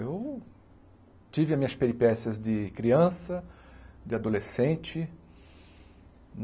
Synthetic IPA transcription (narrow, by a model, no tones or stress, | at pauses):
ew | t͡ʃivɪamĩɲɐspeɾipɛsiɐzd̪ɪkɾiɐ̃sɐd͡ʒɪad̪olesẽnt͡ʃɪ | n